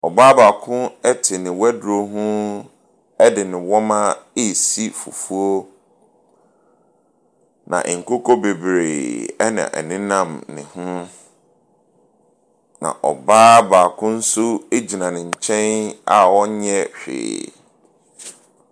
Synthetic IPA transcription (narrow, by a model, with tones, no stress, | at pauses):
ɔ˨baː˦baː˨kʰʊ̃˦ɛ˦tʰɪ˨nɪ̃˨wɛ˦dɾo˦ɦʊ̃˦ | ɛ˦dɪ˨nɪ̃˨wɔ˦mã˦e˦˨si˦fṵ˨fu˦o˦ | nã̰˨ʔŋ̩˨ko˦kʰɔ˦be˨bɾeː˨ɛ˦nã̰˨ʔɛ̰˨nɪ̃˦nã˦mnɪ̰̃˨hʊ̃˦ | nã̰˨ʔɔ˨baː˦baː˨kʰʊ̃˦n̩˦sʊ˦e˦d͡ʑi˨nã˨nɪ̃˨ɲ̩˨t͡ɕʰɛ̃˦na˨wɔ˦ɲɛ˦ɕᶣḛː˨